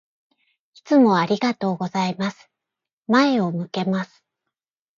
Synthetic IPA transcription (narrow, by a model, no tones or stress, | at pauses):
it͡sɨmo̞aɾʲiɡat̪o̞ːɡo̞zaimasɨ̥ | mae̞o̞mɯ̟ke̞masɨ̥